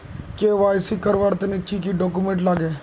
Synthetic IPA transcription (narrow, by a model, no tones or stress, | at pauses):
keːʋaːɪsikəɾʋaɽt̪enekʰiːkiɖoːkumẽːɳʈlaːɡeː